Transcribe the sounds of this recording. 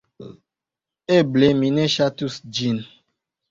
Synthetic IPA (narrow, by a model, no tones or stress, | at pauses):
eblemĩneʃatusd͡ʒin